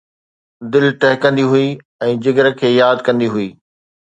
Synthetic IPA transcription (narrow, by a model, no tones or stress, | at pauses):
d̪ɪlʈɛɦɪkɐ̃nd̪iɦui | ɛ̃ːd͡ʑɪɡəɾə̆kʰeːjaːd̪kɐ̃nd̪iɦʊiː